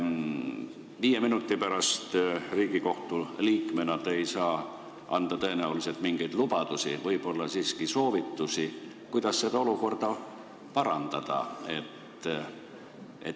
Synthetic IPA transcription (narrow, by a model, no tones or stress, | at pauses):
viːjeminut̪ːˑipæɾɑst̪riːɡiko̞ht̪uliːkme̞nɑt̪e̞jsɑː | ɑnd̪̥ɑt̪ɤ̞e̞næulise̞lt̪miŋɡ̥e̞jd̪lub̥ɑd̪̥usivɤjb̥o̞lːɑsiːskiso̞ːvit̪ːusi | kujd̪̥ɑsːe̞d̪ɑo̞luko̞rd̪̥ɑ | pɑɾɑnd̪̥ɑd̪̥ɑ̰e̞t̪ː | ʔḛ